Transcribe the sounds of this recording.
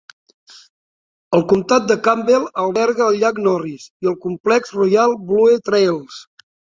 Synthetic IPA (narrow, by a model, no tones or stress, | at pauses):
əlˠkumt̪at̪̚d̪əkambelˠəlˠβɛɾɣəːlʎaknɔrisiəlˠkumplɛkzrujalˠbluet̪ɾelˠs